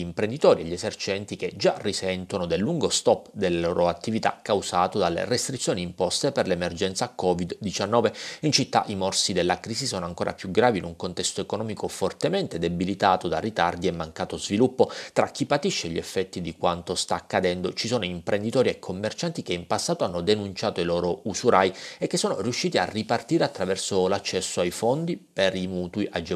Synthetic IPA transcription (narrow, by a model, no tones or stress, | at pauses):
impɾend̪it̪ɔːɾieʎːesert͡ʃɛnt̪ik̟ed͡ʒarisɛnt̪onod̪elːuŋɡost̪ɔpːd̪elːeloːɾoat̪ːivit̪a̰kawsaːt̪od̪alːḛrest̪ɾit̪sːjoːniːmpɔst̪eperlemerd͡ʒɛnt̪sakɔvid̪ːit͡ʃanːɔːveint͡ʃit̪ːa̰ʔimɔrsid̪elːakɾiːsisoːnoaŋkoːɾʔa̰pjuɡɾaːvinuŋkont̪ɛst̪oekonɔːmikofort̪emɛnt̪ed̪ebilit̪aːt̪od̪arːit̪ard̪iemːaŋkaːt̪ozvilupːot̪ɾak̟ːipːat̪iʃːeʎːɛfːɛt̪ːid̪ikwant̪ost̪aːkːad̪ɛnd̪ot͡ʃisoːnoimpɾʔend̪it̪ɔːɾiekʰːomːert͡ʃant̪ik̟eimpasːaːt̪oanːod̪enunt͡ʃaːt̪oiloːɾousuɾaːjiekːesːoːno̰ɾijuʃːiːt̪ia̰rːipart̪iːɾeat̪ːɾavɛrsolat͡ʃːɛsːoajfond̪ipeɾimuːt̪uiʔad͡ʒ